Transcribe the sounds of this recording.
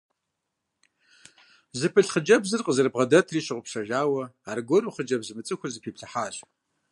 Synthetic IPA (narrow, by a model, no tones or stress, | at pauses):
zɨpʰɨɬχəd͡ʒɐbzɨrqʼəzɨrbʁɐdɐtʰriːɕɪʁʷʊpʂɐʒaːwɐaːrɡʷɔnuːχəd͡ʒɐbzɨmɨt͡sʼɨxʷʊzɨpʰiːpɬɐħaːɕʼ